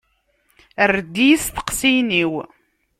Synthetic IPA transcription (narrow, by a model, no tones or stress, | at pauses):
ərd̪ːijsθə̥qsiniw